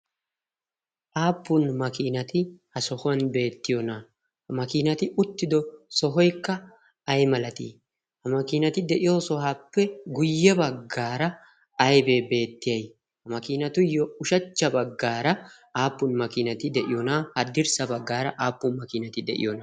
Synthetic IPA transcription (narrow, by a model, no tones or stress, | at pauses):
ʔaːpːʊnmɐkiːnɐt̪ɪhɐsɔhʊwɐnbe̞ːt̪ːɪjɔnɐ | hɐmɐkiːnɐt̪ɪʊt̪ːɪd̪ɔsɔɦɔjkːɐː | jmɐlɐt̪ḭː | hɐmɐkiːnɐt̪ɪd̪ɛʔɪjoːsɔhaːpːɛɡʊjːɛbɐɡːaːɾɐː | jbe̞ːbe̞ːt̪ːɪjɐj | hɐmɐkiːnɐt̪ʊjɔʊʃɐt͡ʃːɐbɐɡːaːɾɐ | aːpːʊnmɐkiːnɐt̪ɪd̪ɛʔɪjonahɐd̪ɪɾsɐbɐɡːaːɾɐʔaːpːʊnmɐkiːnɐt̪ɪd̪ɛ̰ʔɪ̰jɔnɐ